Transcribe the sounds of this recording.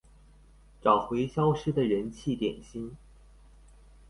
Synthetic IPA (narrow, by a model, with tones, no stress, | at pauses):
ʈ͡ʂɑ˨˩ʊxwe˧˥ɪɕjɑ˥ʊʂɻ̩˥d̪ə˨ɻə˧˥nt͡ɕʰi˥˩t̪jɛ̰˨˩nɕi˥n